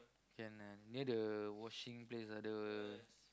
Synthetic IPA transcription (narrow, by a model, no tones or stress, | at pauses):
kɛ̃naniədəwɔʃĩŋplesadə